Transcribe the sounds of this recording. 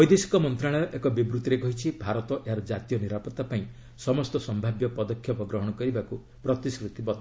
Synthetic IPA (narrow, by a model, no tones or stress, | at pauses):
ɔjd̪esi̥kɔmɔnt̪ɾaɭ̃ɔjɔʔekɔbibɾut̪ɔɾekɔɦit͡ʃʰibʱaɾɔt̪ɔʔeɦaɾɔd͡ʒat̪ijɔniɾapɔt̪apaĩ | sɔmɔst̪ɔsɔmbʱabjɔpɔd̪ɔkʰːjɔpɔɡɾɔɦɔɽ̃ɔkɔɾibaku | pɾɔt̪iskɾit̪ibɔt̪